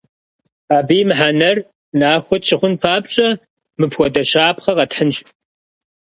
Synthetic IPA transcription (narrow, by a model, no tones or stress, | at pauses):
aːbiːmɨħanɐr | naːxʷɔt̚t͡ʃʰɪχʷʊnpʰaːpʼɕʼɐ | mɨpʰxʷɔdɐɕaːpχɐqɐtħənɕʼ